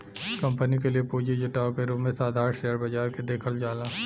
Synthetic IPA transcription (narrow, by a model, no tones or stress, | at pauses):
kɐ̃mpənikeliepuːd͡ʒed͡ʒʊʈaːokeɾumẽsaːd̪ʱaːɾʃeːjəɾbɐd͡ʒaːɾked̪eːkʰəld͡ʒaːlaː